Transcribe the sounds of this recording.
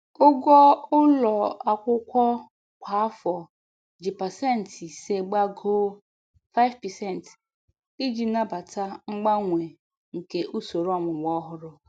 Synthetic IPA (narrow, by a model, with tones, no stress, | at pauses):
ʊ˦ɡɔ˦ʊ˦lɔ˨a˨kʷʊ˦kʷɔ˦ | kʷa˨a˦fɔ˨ | d͡ʒi˨pa˨sɛ˦˨n̩˨ti˨se˨ɡ͡ba˦ɡo˦ | fa˦ɪ˦vpɛ˨sɛ˦˨n˨t | i˦d͡ʒi˨na˦ba˨ta˦ŋ͡m̩˦ɡ͡ba˦ŋʷe˨ | ŋ̩˨ke˨ʔu˦so˨ɾɔ˨mʊ˨ɡ͡bɔ˦ɦʊ˦ɾʊ˦